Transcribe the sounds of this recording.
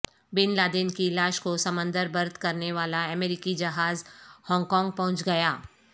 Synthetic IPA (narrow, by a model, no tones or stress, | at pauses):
bɪnlaːd̪ɪnkilaːʃkosɐmə̃nd̪əɾbɐɾd̪kɐɾneʋaːlaɛmeːɾɪkid͡ʒɐɦaːzhɔ̃ːŋɡkɔ̃ːŋɡ̚pɐɦʊ̃t͡ʃɡɐjaː